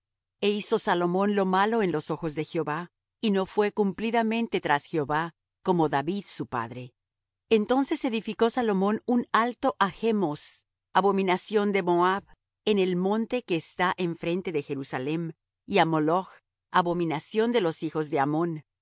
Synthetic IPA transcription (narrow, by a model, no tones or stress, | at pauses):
eiso̞salo̞mõ̞nlo̞malo̞e̞nlo̞so̞xo̞zðe̞xjo̞βa | ino̞fwe̞kumpliðamẽ̞nt̪e̞t̪ɾasxjeo̞βa | ko̞mo̞ðaβiðsupa̰ðɾe̞ | ent̪o̞nse̞se̞ðifiko̞salo̞mõ̞nunalt̪o̞ʔaxe̞mo̞s | aβo̞mĩnasjo̞nd̪e̞mo̞aβ | ene̞lmõ̞nt̪e̞ke̞ːst̪aʔeɱfɾe̞nt̪e̞ðe̞xe̞ɾusale̞m | iamolox | aβo̞mĩnasjo̞nd̪e̞lo̞sixo̞zðe̞amo̞n